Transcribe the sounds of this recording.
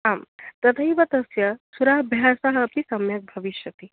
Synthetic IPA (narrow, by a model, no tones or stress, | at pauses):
amt̪ɐt̪ʰɐiʋɐt̪ɐsjɐsuɾaːɦbʱjasaɦɐpt̪isɐmjɐk̚bʱɐʋiʃjɐt̪i